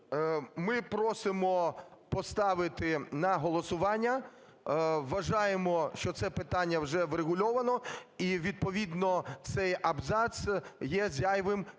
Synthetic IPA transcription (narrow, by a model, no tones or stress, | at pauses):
mɪpɾɔsɪmɔpɔst̪ɑʋɪt̪ɪnɐɦɔlˠɔsʊʋɑnʲːɐ | ʋːɐʒɑjemɔʃt͡ʃɔt̪sɛpɪt̪ɑnʲːɐwʒɛʋɾeɦʊlʲɔʋɐnɔiʋʲid̪̚pɔʋʲid̪nɔt̪sɛjɐbzɑsjɛzʲjajʋɪm